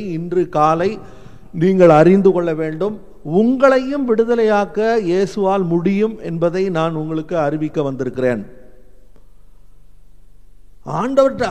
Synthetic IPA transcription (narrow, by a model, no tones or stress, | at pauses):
ɪndrɯkaːlɐɪ | niːŋɡɐɭɐrɪnd̪ɯkɔɭːɐʋeːɳɖɯm | ʊŋɡɐɭɐjɯmʋɪɽɯðɐlɐjaːkɐjeːsɯʋaːlmʊɽɪjɯmɛ̰nbɐðɐɪnaːnʊŋɡɐɭɯkːɯɐɾɪʋɪkːɐʋɐnd̪ɪɾɯkːɪrḛːn | ʔaːɳɖɐʋɐʈː